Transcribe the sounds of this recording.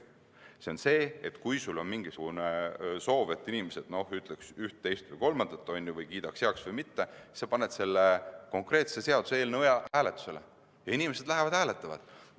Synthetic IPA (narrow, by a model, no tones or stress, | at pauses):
seo̞nse̞ːet̪ːkujsulːo̞nmiŋɡ̥isuɡ̥uneso̞ːve̞t̪ːˑinimese̞d̪̥no̞hyt̪ˑleksyht̪̚ːe̞jst̪vɯjko̞lmɑnd̪̥ɑt̪ːˑo̞nʲːivɯjkiːd̪̥ɑksjeɑksvɯjmit̪ːe̞isɑpɑne̞d̪̥se̞lːeko̞ŋkˑre̞ːt̪se̞se̞ɑd̪useeːlneojɑhæːle̞t̪ːˑu̥se̞le | jɑinimese̞d̪̥læɦevɑd̪̥hæːlet̪ːˑɑvɑ̰d̪̥